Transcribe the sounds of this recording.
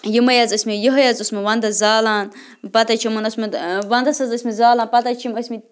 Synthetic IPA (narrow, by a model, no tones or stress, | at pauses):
jimɐjazɐsʲmijiɦɐjazusmiʋɐnd̪ɐzaːlaːn | pɐt̪at͡ʃʰimɐnɐsmɐʋɐnd̪ɐsɐzɐsʲmizaːlaːnpɐt̪ɐt͡ʃʰiməsʲmi